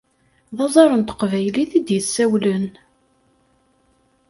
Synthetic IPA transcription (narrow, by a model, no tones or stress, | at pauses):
ðˤɑzˤɑɾˤənt̪ə̥qvæjliθid̪jəsːæwlən